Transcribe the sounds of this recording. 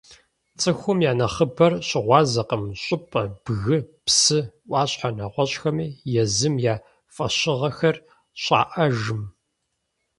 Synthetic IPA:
t͡sʼɨxʷʊmjaːnɐχəbɐrɕɪʁʷɑːzɐqəmɕʼʊpʼɐb̥ɣɨpsɨʔʷɑːɕħanɐʁʷɔɕʼxɐmiːjɛzɨmjaː | fʼɐɕɪʁɐxɐr | ɕʼa̰ːʔɐʒɨm

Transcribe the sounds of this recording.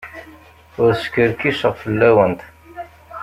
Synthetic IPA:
ʊɾskəɾkiʃəʁfəlːæwənt̪

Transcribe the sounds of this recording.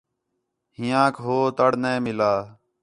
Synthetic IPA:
ɦɪjãːkʰɦoːt̪əɽnẽːmɪlaː

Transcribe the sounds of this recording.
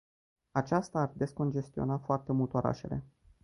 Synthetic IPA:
at͡ʃast̪aːrd̪e̞sko̞nd͡ʒe̞st̪io̞̰nafoart̪e̞mult̪eoɾʔa̰ʃe̞̰le̞̰

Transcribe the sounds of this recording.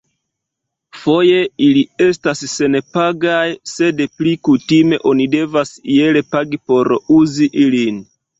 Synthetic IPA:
fo̞je̞ilie̞stasːe̞npaɡajse̞dplikutime̞ʔo̞nide̞vasie̞le̞paɡipo̞ɾuziʔilin

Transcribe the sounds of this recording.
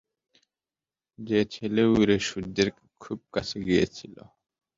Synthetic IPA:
d͡ʑet͡ɕʰeleuɾeʃudd̪eɾ | kʰub̚kat͡ɕʰeɡijet͡ɕʰilo̰

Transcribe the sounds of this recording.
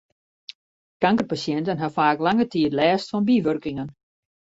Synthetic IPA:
kaŋkərpasjɛntənɦafaːklaŋətiətlɛːstfɔnbiʋørkɪŋən

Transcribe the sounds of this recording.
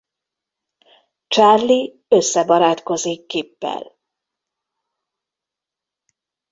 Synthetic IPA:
t͡ʃarli | ø̞sːɛbɒɾaːt̪ko̞zikːeːpːɛ̰l

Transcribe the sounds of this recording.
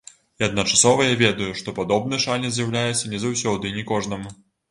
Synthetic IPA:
iɐd̪̚nɐt͡ʂasɔvɐjavʲɛd̪ɐjuʂt̪ɔpad̪ɔbnɨʂanʲɛzʲjawlʲajɛt̪sːɐnʲɛzawsʲɔd̪ɨinʲɛkɔʐnɐmu

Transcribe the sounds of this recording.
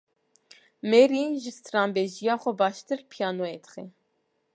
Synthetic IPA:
meɾiʒɨst̪ɾɑːmbeʒijɑːxʷɔbɑːʃt̪ɨɾpʰijɑːnoet̪ʰχɛ

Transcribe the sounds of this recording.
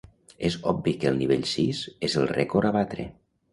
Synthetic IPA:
ezɔbbikəlˠniβeʎsizezəlˠrekoɾaβat̪ɾḛ

